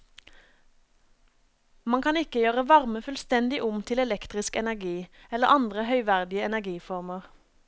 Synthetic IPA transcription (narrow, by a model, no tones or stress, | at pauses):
mɑŋkʰɑnɪkəjøːʁəʋɑʁməfʉːlst̪ɛnd̪ɪʔʊmt̪ʰɪlɛlɛkt̪ʁɪskɛnæʁɡiːɛləʁʔɑnd̪ʁəhœʏʋæʁd̪ɪəɛnæɡiːfɔʁməʁ